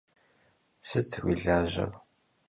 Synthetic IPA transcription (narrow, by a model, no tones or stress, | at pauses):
sət͡sːwiɮəʒə̰ðˤ